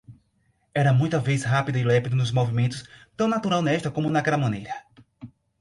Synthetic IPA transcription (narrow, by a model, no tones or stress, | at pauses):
ɛɾɐmũj̃t̪ɐvejzɦapid̪ɐilɛpid̪ʊnʊzmovimẽnt̪ʊst̪ɐ̃w̃nat̪uɾawnɛʃt̪ɐkõmʊd̪ɐkɛlɐmɐ̃nejɾɐ